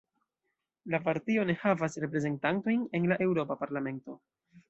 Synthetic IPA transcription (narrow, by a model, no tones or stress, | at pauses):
lapaɾtio̞ne̞havasɾe̞pɾe̞ze̞ntanto̞jne̞nlaʔe̞wɾo̞papaɾlame̞nto̞